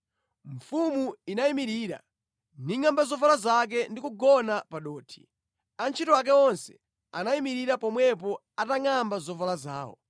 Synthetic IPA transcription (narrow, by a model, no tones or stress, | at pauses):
ɱ̩fumuinaimiɾiːɾa̰ | niŋambazɔvalazak̬ɛndikuɡɔnapaɗɔːtʰi̥ | ant͡ʃʰitɔak̬ɛɔnsɛ | anaimiɾiɾapɔmwɛp̬ɔ | ataŋambazɔvalaza̰ːwɔ̰